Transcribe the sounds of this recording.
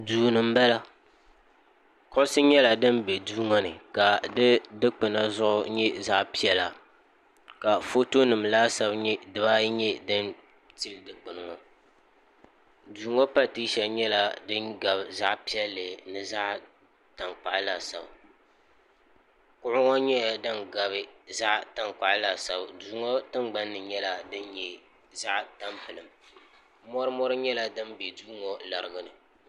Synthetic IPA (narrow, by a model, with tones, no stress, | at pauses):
duː˨nɨ˨m̩˦bɛ˦la˦ | kʊ˦sɨ˦ɲɛ˦la˨dɨ˦n˦bɛ˨duː˦ŋɔ˦nɨ˨ka˨dɨ˦dɨ˦k͡pɨ˨na˦zʊ˦ʔʊ˦ɲɛ˦za˦ʔpi˦ɛ˦la˨ | ka˨fo˦to˦nɨ˨mla˦sa˦bɲɛ˦dɨ˨ba˦ɲɛ˦dɨ˦n | ti˦ldɨ˨k͡pɨ˨nɨ˨ŋɔ˨ | duː˨˦ŋɔ˦pa˦tɨ˦ʃɛ˨lɲɛ˦la˨dɨ˦nɡa˨bza˦ʔpi˦ɛ˦lːɨ˨nɨ˨za˦ʔ | ta˨ŋk͡pa˨ʔla˨sa̰˨ba˨ | kʊ˦ʔʊ˦ŋɔ˦ɲɛ˦˨dɨ˦nɡa˨bɨ˦za˦ʔta˨ŋk͡pa˨ʔla˨sa˨ba˨duː˨˦ŋɔ˦tɨ˦ŋɡ͡ba˦nːɨ˨ɲɛ˦la˦dɨ˦nɲɛ˨ | za˦ʔta˦mpɨ˨lɨ˨m | mɔ˦ɾɨ˦mɔ˦ɾɨ˦ɲɛ˦la˦dɨ˦mbɛ˨duː˦ŋɔ˦la˨ɾɨ˨ɡɨ˦nɨ˨